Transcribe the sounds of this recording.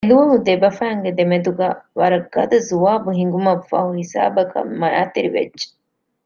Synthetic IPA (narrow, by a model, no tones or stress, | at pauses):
eluʋɐɦud̪ebɐfæːŋɡed̪emed̪uɡaːʋɐɾɐɡːɐd̪ɐzuʋaːbuɦiŋɡumɐfːa̰huhisa̰ːbɐkɐ̰mmɐjaːt̪iɾiʋḛd͡ʒd͡ʒːe̥